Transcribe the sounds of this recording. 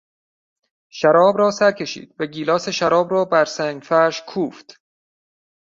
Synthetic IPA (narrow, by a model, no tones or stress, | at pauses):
ʃæɾɒːbɾɒːsæɾkʲʰe̞ʃḭːd̪̥væɡiːlɒːseʃæɾɒːbrɒːbæɾsæŋfæʃkʰuːft̪